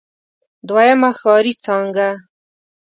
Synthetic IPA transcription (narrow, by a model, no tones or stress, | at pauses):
d̪wajamaxɑɾit͡sɑŋɡa